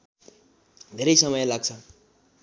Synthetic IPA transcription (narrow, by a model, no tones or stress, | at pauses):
d̪ʱeɾʌjsʌmʌjlaɡt͡sʰʌ